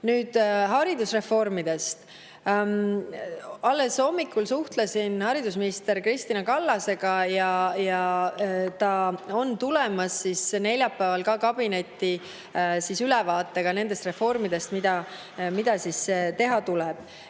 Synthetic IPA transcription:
nyːd̪̥ɦɑɾid̪usre̞fo̞rmid̪e̞st̪ | ɑlːe̞so̞mːikːˑulsuht̪lesinhɑɾid̪us̬minist̪e̞ɾkrist̪inɑkɑlːɑse̞ɡ̥ɑjɑjɑ | t̪ɑo̞nt̪ule̞mɑsːisne̞lʲjɑpːæːvɑlkɑkɑb̥ine̞t̪ːi | sisylɛvɑːt̪ˑːeɡ̥ɑne̞nd̪e̞st̪re̞fo̞rmid̪̥e̞st̪mid̪̥ɑ | mid̪̥ɑsiset̪e̞ɦɑt̪uleb̥̚

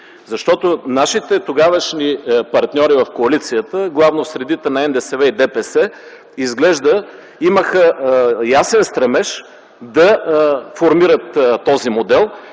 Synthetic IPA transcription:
zɐʃt̪ɔt̪onaʃit̪ɛt̪oɡavəʃnipɐɾt̪nʲɔɾivɐfkoɐlit̪sijət̪əɡlˠavnosɾɛd̪it̪ɛnɐɛnd̪ɛsɛvɛid̪ɛpɛsɛ | izɡlɛʒd̪ə | iməxəjasɛnst̪ɾɛmɛʃ | d̪ɐfoɾmiɾət̪ːɔzimod̪ɛlˠ

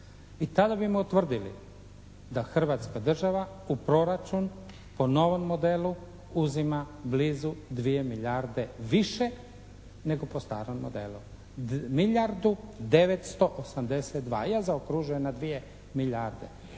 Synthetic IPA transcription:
it̪ad̪abimout̪ʋr̩d̪ilḭ | d̪axr̩ʋaːt̪skad̪r̩ʒaʋa | upɾo̞ɾat͡ʃun | po̞no̞ʋo̞mːo̞d̪elu | uzima | bliːzud̪ʋije̞miʎaɾd̪e̞ʋiʃe | ne̞ɡo̞post̪a̰ːɾomːo̰d̪ḛlṵ | miʎaɾd̪ud̪e̞ʋet̪st̪o̞ʔosamd̪e̞set̪̚d̪ʋa̰ːjazaokɾuʒujenad̪ʋije̞ | miʎaɾd̪e̞̰

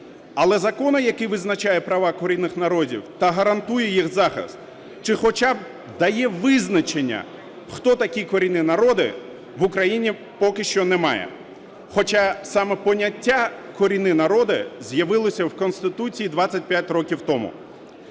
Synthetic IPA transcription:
ɐlˠɛzɐkɔnɔjɐkɪʋɪznɐt͡ʃajɛpɾɐʋɑkɔɾʲinːɪxnɐɾɔdʲḭwt̪ɐɦɐɾɐnt̪ujɛjixzɑxɪ̰st̪ | t͡ʃɪxɔt͡ʃɑb | d̪ɐjɛʋɪznɐt͡ʃenʲːɐ̰ | xt̪ɔt̪ɐkʲikɔɾʲinɪnɐɾɔd̪ɪ̰ | ʋʊkɾɐjinʲi | pɔkɪʃt͡ʃɔnɛmɑ̰jɛ̰ | xɔt͡ʃɑsɑmɛpɔnʲːɐtʲːakɔɾʲinɪnɐɾɔd̪ɪzʲjɐʋɪlˠɔsʲɐwkɔnst̪ɪt̪ut͡sʲijid̪ʋat͡sʲːɐt̚ʲpʲjatʲrɔkʲiwt̪ɔmʊ̰

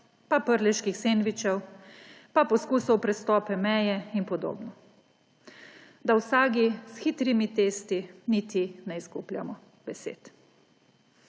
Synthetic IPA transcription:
papəɾlʲɛʃkixseːnʋit͡ʃɛw | papɔskuːsɔwpɾɛst̪ɔːpɛmɛːjɛinpɔd̪o̰ːbnɔ | d̪awsaːɡisxiːt̪ɾimit̪eːst̪init̪inɛiskuːplʲja̰mɔ | bɛsḛt̪

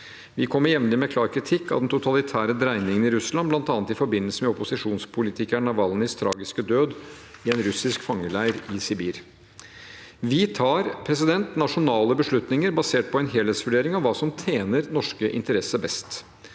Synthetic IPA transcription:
ʋɪkʰɔmːəɾjɛmnɪmɛkʰlɑːɾkʰɾɪt̪ʰɪkːɑ̰d̪ɛnt̪ʰʊt̪ʰɑlɪt̪ʰæːɾəd̪ɾæɪnɪŋənɪɾʉslɑnblɑnt̪ɑːnət̪ɪfɔɾbɪnːəlsəmɛɔpʊsɪʂuːnspʰʊlɪt̪ʰɪkæɳɑʋɑlnəst̪ʰɾɑ̰ːɡɪskəd̪øːd̪ | ɪɛnɾʉsɪskfɑŋːəɭæɪɾɪsɪbiːɾ | ʋɪt̪ʰɑːɾpʰɾɛs̬ɪd̪ɛnt̪nɑʂʊnɑːləbəʂɭʉt̪nɪŋəɾbɑseːʈ̚pʰɔɛnɦeːleːt̪sʋʉɖeːɾɪŋɑʋːɑːsɔmt̪ʰeːnəɾnɔʂkəʔɪ̰nt̪əɾɛsəbɛst̪

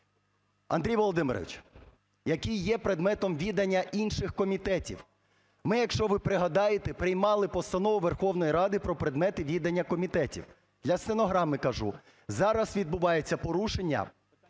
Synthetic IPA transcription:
ɐ̰nd̪ɾʲijʋɔlˠɔd̪ɪmɪɾɔ̰ʋɪ̰t͡ʃ | jɐkʲijːɛpɾed̪mɛt̪ɔmʋʲid̪ɐnʲːɐʔinʃɪxkɔmʲit̪ɛtʲḭw | mɪjɐkʃt͡ʃɔʋɪpɾɪɦɐd̪ɑjet̪epɾɪjmɑlˠɪpɔst̪ɐnɔʋʊʋerxɔwnɔjiɾɑd̪ɪpɾɔpɾed̪mɛt̪ɪʋʲid̪ɐnʲːɐkɔmʲit̪ɛtʲḭw | d̪lʲɐst̪enɔɦɾɑmɪkɐʒu | zɑɾɐsʋʲid̪̚bʊʋɑjet͡sʲːɐpɔɾuʃenʲːɐ̰

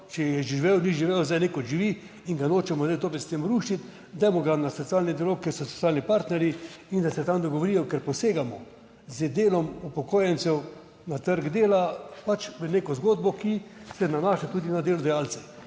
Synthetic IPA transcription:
t͡ʃɛjɛʒiʋɛwniʒiʋɛwzd̪ajnekoʒiʋi | iŋɡanoːt͡ʃɛmɔzajt̪opɛt̪st̪emɾuʃit̪ | d̪ɛjmɔɡanasɔt̪sʲiaːlnid̪ialoːkkɛɾsɔso̥t͡ssʲjaːlnipaɾt̪nɛɾjiind̪asɛt̪amd̪ɔɡoʋoɾijɔkɛɾpɔseːɡamɔ | zəd̪eːlɔmupɔkoːjɛnt̪sɛw | nat̪əɾɡd̪eːlapat͡ʃʋəneːkɔzɡoːd̪bɔkisɛnanaːʃat̪uːd̪inad̪eːlɔd̪ajalsɛ

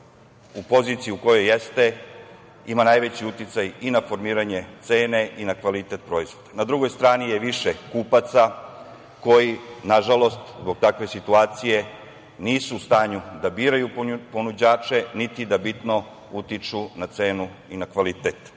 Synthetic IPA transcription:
upo̞ziːt̪sijiuko̞jo̞jːest̪e̞ | imanajʋet͡ɕiut̪it̪sajinafo̞ɾmiːɾaɲe̞t̪se̞ːne̞ʔinakʋalit̪e̞t̪̚pɾo̞izʋo̞d̪̥ḁnad̪ɾuɡo̞jst̪ɾaːnijeʋiʃekuːpat̪sa | ko̞jinaʒalo̞st̪zbo̞ɡ̚t̪akʋe̞sit̪uaːt̪sije̞ | niːsuːst̪aːɲud̪abiːɾajupponud͡ʑaːt͡ʃe̞nit̪id̪abit̪no̞ | ut̪it͡ʃunat̪se̞ːnu | inakʋalit̪et̪

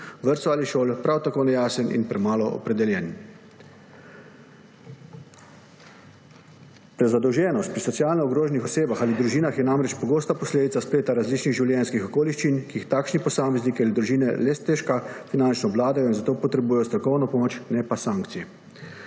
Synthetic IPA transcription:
ʋəɾt̪sɔaliʃoːlpɾawt̪akoːnɛjaːsɛnḭnpɾɛmaːlɔʔɔ̰pɾɛd̪ɛljɛn | pɾɛzad̪ɔwʒɛːnɔst̪̚pɾisɔt̪sijaːlnɔɔɡɾoːʒɛnixɔseːbaxalid̪ɾuʒiːnaxjɛnamɾɛt͡ʃpɔɡoːst̪apɔsleːd̪it̪saspeːt̪aɾazliːt͡ʃniɣʒiwljɛnskixɔkoːliʃt͡ʃinkiːxt̪aːkʃnipɔsaːmɛznikialid̪ɾuʒiːnɛlɛst̪ɛʃkafinant͡ʃnɔʋlaːd̪ajɔinzat̪oːpɔt̪ɾɛbuːjɛjɔst̪ɾɔkɔwnɔpɔmoːt͡ʃnɛpasaŋkt̪sijɛ

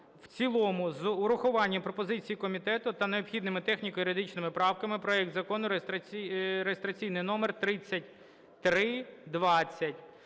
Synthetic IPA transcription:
wt͡sʲilˠɔmʊzʊɾʊxʊʋɑnʲːɐpɾɔpɔzɪt͡sʲijikɔmʲit̪ɛt̪ʊt̪ɐneɔpxʲid̪nɪmɪt̪ɛxnʲikɔjiɾɪd̪ɪt͡ʃnɪmɪpɾɑwkɐmɪpɾɔɛk̚t̪zɐkɔnʊɾest̪ɐɾejest̪ɾɐt͡sʲijnɪjnɔmert̪ɾɪt͡sʲːɐtʲ | t̪ɾɪd̪ʋɑt͡sʲːɐtʲ

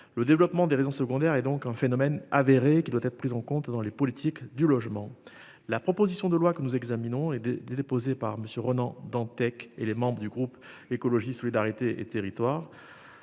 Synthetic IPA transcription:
ləd̪evlɔpmɑ̃d̪eʁezɔ̃səɡɔ̃d̪ɛʁɛd̪ɔ̃kɛ̃fenɔmɛnaveʁekʲid̪wat̪ɛt̪χəpχizɑ̃kɔ̃t̪d̪ɑ̃lepɔlit̪ʰikd̪ylɔʒmɑ̃ | lapχɔpozisjɔ̃d̪əlwakənuzɛɡzaminɔ̃ɛd̪epozepaʁməsjøʁənɑ̃d̪ɑ̃t̪ɛkḛlemɑ̃bʁəd̪yɡʁupekɔlɔʒisɔlid̪aʁit̪eʔḛt̪eʁit̪waːʁ

